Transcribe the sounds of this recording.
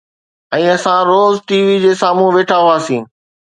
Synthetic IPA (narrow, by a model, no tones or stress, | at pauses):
ɛ̃ːɐsãɾoːzʈiːʋid͡ʑeːsaːmũʋeːʈʰaɦuaːsĩː